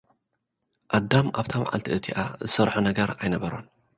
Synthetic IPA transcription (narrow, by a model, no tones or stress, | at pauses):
ʔad̪ːamaβt̪ʰama̰ʕa̰lt̪ʰiʔɨt̪ʰiʔa̰zɨsɐɾħunɐɡɐɾajnɐβɐɾo̰n